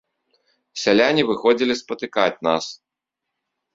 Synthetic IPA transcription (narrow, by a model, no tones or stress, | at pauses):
sʲalʲanʲivɨxɔd͡zʲilʲispɐt̪ɨkat͡sʲna̰s